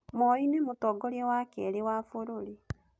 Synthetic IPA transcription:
mɔinemotɔɡɔɾeɛwakɛɾewafoɾoɾi

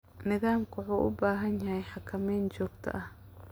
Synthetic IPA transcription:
nɪðaːmkʰʊʕuːʔʊ̰baːɦɐnjɐɦɛjħɑkʰɐmɛjnt͡ʃɔːɡt̪ʰɐ̰ʔɐh

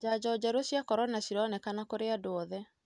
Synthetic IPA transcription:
d͡ʒad͡ʑɔd͡ʑaɾosjakɔɾɔnasiɾɔnɛkanakoɾeadoɔðɛ

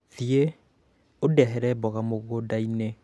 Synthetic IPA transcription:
ðie | odɛɦɛɾɛbɔɣamoɣodaine

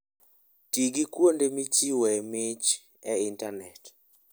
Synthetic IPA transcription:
tiɡikwondemit͡ʃiwɛmɪt͡ʃ | ɛintanɛt

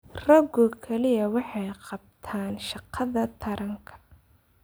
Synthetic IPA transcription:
rɐɡɔkʰɐlɪjɐwɑħɑjqɑb̚t̪ʰaːnʃɑqʰɑðɐt̪ʰɐɾɐŋkʰɐ̥

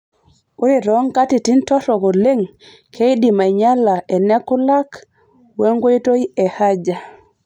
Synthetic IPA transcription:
ʔuɾiɾɔŋkatitintɔtɔɡɔleŋ | kʰejɗimajɲalːaʔɛnɛkːulak | weŋɡojtojɛhad͡ʒa

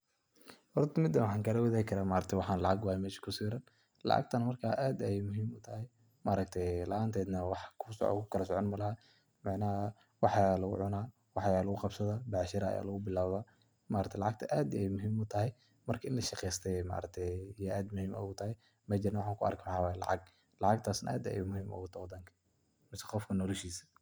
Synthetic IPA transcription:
hɔɾt̪ʰɐmɪd̪ːɐwɑħɑːŋkʰɐlɐwɐðaːjɪkʰɐɾaːmaːɾɐkt̪ʰɛwɑħaːnlɑʕɑɡwaːjɐmɛːʃɪ̥kʰʊsiːɾɐn | lɑ̰ʕɑ̰ɡ̚t̪ʰɐnmɐrkʰaːʔaːd̪ɛjmʊɦiːmʊt̪ʰɐhɛj | mɐɾɐk̚t̪ʰɛjlɑ̰ʔaːnt̪ʰɛːd̪nɐwɑħkʰʊskʰʊ̥kʰɐlɐsɔʕɔnmɐlɐhɐ | mɑʕnaː | wɑħaːlɐɣʊ̰ʕʊnaː | wɑħjaːlɐɣʊqɑbsɐðɐbaʕʃɪɾɐ̰ja̰ːlʊɣʊbɪlaːwβa | maːɾɐkt̪ʰlɑʕɑɡ̚t̪ʰɐʔaːd̪ɪɛjmʊɦiːmʊt̪ʰɐɦɛj | mɐrkʰɐʔɪnlɐʃɑqɛjst̪ʰɛmɐ̰ːɾɐk̚t̪ʰɛjjaʔaːd̪mʊhiːmʔɔ̰ɣʊt̪ʰɐɦɛj | mɐd͡ʒɪɾnawɑħɑːŋkʰʊɐ̰rkʰmaħɑwaːjlɑ̰ʕɑ̰ɡ̚ | lɑʕɑɡ̚t̪ʰaːsnɐ̰ʔa̰ːd̪ɐ̰jmʊhiːmʔɔ̰ɣʊt̪ʰɐwd̪ɐŋkʰɐ̥ | mɪsɛqɔfkʰɐnɔlɐʃiːsɐ̥

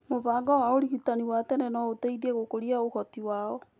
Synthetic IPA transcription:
moβaːŋɡɔwaoɾiɣutaniwatɛnɛnɔoteiðiɛɣokoɾiaoxɔtiwaːɔ

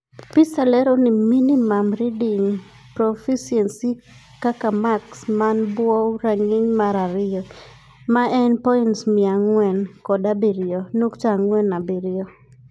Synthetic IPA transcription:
pɪsalɛɾɔnɪminimamɾidiŋ | pɾofisiɛnsi | kakamaksmanbwɔwɾaŋɪɲmaɾaɾɪɔ | maɛnpɔintsmɪaŋwɛnkɔdabiɾɪɔnukt͡ʃaŋwɛnabiɾɪɔ

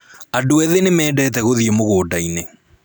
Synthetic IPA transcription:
adoɛðenemɛːdɛːt̬ɛɣoðiemoɣoːdaine

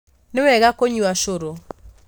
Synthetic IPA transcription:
nɪwɛɡakoɲuaʃoɾo

